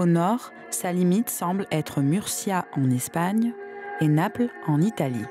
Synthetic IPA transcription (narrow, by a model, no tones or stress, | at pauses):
onɔʁ | salimit̪sɑ̃blɛt̪χəmyʁsjaɑ̃nɛspaɲenaplɑ̃nit̪alḭ